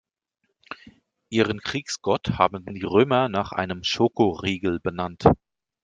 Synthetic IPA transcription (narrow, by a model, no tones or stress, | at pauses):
ʔiːʁənkʁ̥iːksɡ̥ɔthaːbm̩diːʁøːmɐnaːχʔa̰ɪnəmʃoːkoʁiːɡl̩bənant